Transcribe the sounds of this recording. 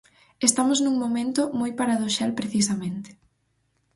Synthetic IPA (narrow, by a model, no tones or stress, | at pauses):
est̪amʊznũŋmomẽnt̪ʊmojpaɾaðoʃalpɾeθis̬ɐmẽnt̪e̥